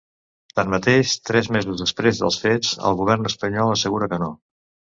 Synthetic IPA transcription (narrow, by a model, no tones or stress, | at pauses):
t̪anmət̪eʃt̪ɾɛzmezuzðəspɾezðə̰lˠsfet͡sə̰lˠɣuβ̞ɛrnəspəɲɔlˠəsəɣuɾəkəno